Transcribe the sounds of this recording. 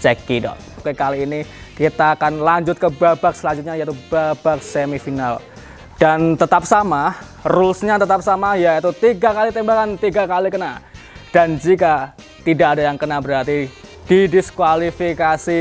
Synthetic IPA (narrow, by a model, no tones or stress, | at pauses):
t͡ʃɛkidɔ̰ | kəkaliːnikit̪aːkanlaɲd͡ʒʊt̪̚kəbabak̚səlaɲd͡ʒut̪̚ɲajait̪ub̥ab̥ak̚semifinal | d̥ant̪ət̪ap̚sama | rulsɲat̪ət̪ap̚samajait̪ut̪iɡakalit̪ɛmbakant̪iɡakalikəna | d̥and͡ʒika | t̪idakadajaŋkənabəɾart̪id̥idiskwalifikasi